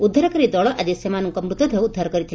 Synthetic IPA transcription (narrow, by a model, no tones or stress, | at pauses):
ud̪ʱːaɾɔkɔɾid̪ɔɭɔʔad͡ʒesemanɔŋkɔmɾut̪ɔd̪ʱɔud̪ʱːaɾɔkɔɾit̪ʰil